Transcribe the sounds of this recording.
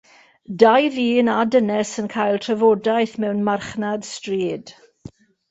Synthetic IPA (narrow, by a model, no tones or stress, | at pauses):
dajðiːnadənɛsənkʰajlˠtʰrɛvodajθmɛwnmarχnad̥striːd̥